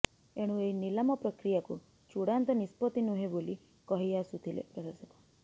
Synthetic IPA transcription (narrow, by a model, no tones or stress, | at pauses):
eɽ̃ũeinilamɔpɾɔkɾijakṵ | t͡ʃuɽant̪ɔnispɔt̪inuɦeboli | kɔɦiasut̪ʰilḛpɾɔɾasɔkɔ̥